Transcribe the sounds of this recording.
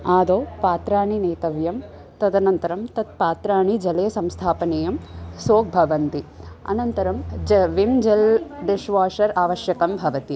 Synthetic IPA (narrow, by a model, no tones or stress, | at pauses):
aːd̪oːpaːt̪ɾaːɳineːt̪ɐʋjɐm | t̪ɐd̪ɐnɐnt̪ɐɾɐmt̪ɐt̪̚paːt̪ɾaːɳid͡ʒɐleːsɐmst̪ʰaːpɐneːjɐmsoːk̚bʱɐʋɐnt̪iɐ̰nɐnt̪ɐɾɐmd͡ʒʋimd͡ʒɐld̪eʃʋaːʂɐɾaːʋɐʃjɐkɐmbʱɐʋɐt̪i